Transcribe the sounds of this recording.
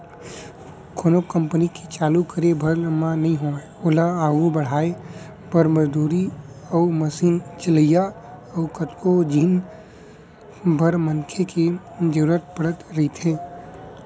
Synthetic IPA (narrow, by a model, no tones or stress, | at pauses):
kʰonokə̃mpənikit͡ʃaːlukəɾebʱəɾmãnɐɦĩɦo | oːlaaːɡubəɽ̤aːe | bʱəɾməd͡ʒd̪uːɾi | əʊməsiːnt͡ʃɪləja | əʊkət̪kod͡ʒiːn | bʱəɾmənkʰeked͡ʒəɾuɾət̪̚pəɽət̪ɾɐɦit̪ʰẽː